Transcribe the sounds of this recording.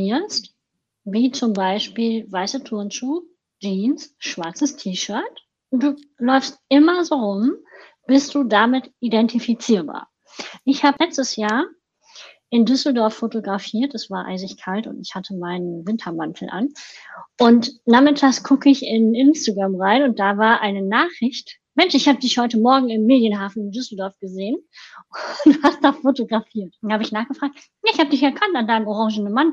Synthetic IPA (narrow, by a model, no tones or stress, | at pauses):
iːɐst | viːt͡sʊmbaɪʃpiːlvaɪsətʰʊɐnt͡suːk̚ | d͡ʒiːnsʃv̥aɐt͡səstʰiːʃœɐt | ʊnd̥uːlɔʏfst̚ʔɪmɐzoːʁʊm | b̥ɪsd̥uːdamɪtʔidɛntifit͡siːɐba̰ːɐ | ʔɪçhaːbəlɛt͡stəsjaːɐ | ʔɪndʏsl̩dɔɐfːotoɡʁafiːɐtɛsv̥aːʔa̰ɪzɪçkʰaltʊ̰ntɪçhatʰəmaɪnənvɪntʰɐmantʰl̩ʔa̰nʔʊntnaːmɪtʰaːsɡ̥ʰʊkʰəɪçɪnʔɪnstaɡʁamʁaɪnʊnt̚d̥aːvaːɐʔaɪnənaːχɪçt | mɛnʃɪçhaːbədɪçhɔʏtəmɔɐɡŋ̩ɪmːeːdjənɦaːfn̩ɪndʏsl̩dɔɐfɡ̥əzeːənʊuhast̚d̥aːfotoɡʁafiːɐthaːbəɪçnaːχɡ̥əfʁ̥aːk̚t | naːɪçhaːbədɪçɛɐkʰantandaɪnəmɔʁɑ̃ŋʒn̩əman